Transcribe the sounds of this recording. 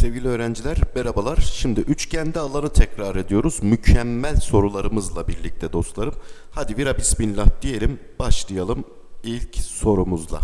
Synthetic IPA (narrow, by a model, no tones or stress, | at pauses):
sɛvɟilʲiø̞ːɾænd͡ʒilʲæɾbɛɾabalˠaɾ̥ʃimd̪iʔyt͡ʃcʰænd̪ialˠanɯt̪ʰɛcɾaːɾe̞d̪ijo̞ɾuzmycʰɛmːælʲso̞ɾulˠaɾɯmɯzlˠabiɾlʲic̚t̪ʰɛd̪o̞st̪lˠaɾɯmhad̪iviɾapʰisminlʲap̚d̪̥ije̞lʲim | b̥aʃlˠɯjalˠɯm | ilʲcso̞ɾumuzlˠa̰